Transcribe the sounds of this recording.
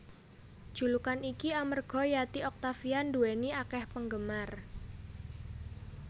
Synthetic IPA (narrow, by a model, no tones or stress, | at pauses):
ʒ̥ulukanikiamərɡ̥ɔ̤jat̪iɔk̚t̪afianduweniakɛhpəŋɡəmar